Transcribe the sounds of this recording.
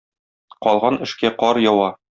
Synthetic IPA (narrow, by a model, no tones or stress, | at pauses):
qɒlˠʁɑnɘ̆ʃkæqɒɾjɒwɑ